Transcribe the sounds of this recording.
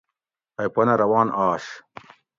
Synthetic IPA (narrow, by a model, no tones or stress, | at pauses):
ɐjpɐnɐɾɐwaːnʔaːʂ